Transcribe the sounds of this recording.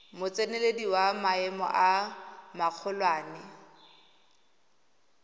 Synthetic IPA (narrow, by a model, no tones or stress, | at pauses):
mʊt͡sʼenelediwamaɛmɔ̰ʔamaq͡χʰʊlwaːnɪ